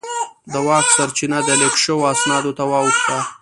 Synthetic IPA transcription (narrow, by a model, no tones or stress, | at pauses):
d̪əwɑksaɾt͡ʃinad̪əlekʃəwoasnɑd̪ot̪awɑwuxt̪a